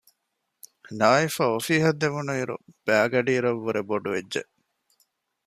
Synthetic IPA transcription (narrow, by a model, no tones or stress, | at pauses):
naːifɐofiːɦɐd̪ːeʋunuiɾṵb̥æːɡɐɖiːɾɐʋːuɾeboɖuʋed͡ʒʒḛʔ